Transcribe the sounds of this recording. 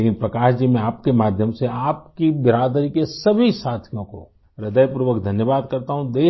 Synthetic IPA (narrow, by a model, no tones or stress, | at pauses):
eːkɪ̃npɾɐkaːʃd͡ʒimẽaːp̚kemaːd̪ʱjəmseaːpkibɪɾaːd̪ɾikesɐbʱisaːt̪ʰijõko̰ | ɾɪd̪əjpɾuʋəkd̪ʱɐnjəʋaːd̪kɐɾt̪aɦũd̪eː